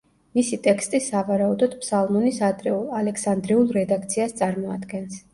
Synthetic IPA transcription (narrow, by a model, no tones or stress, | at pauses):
misit̪ʼɛkst̪ʼisavaɾaud̪ɔd̪̥pʰsalˠmɔnisad̪ɾɛualɛksand̪ɾiulˠɾɛd̪ak̚t̪sʰiast̪sʼaɾmɔad̪ɡɛns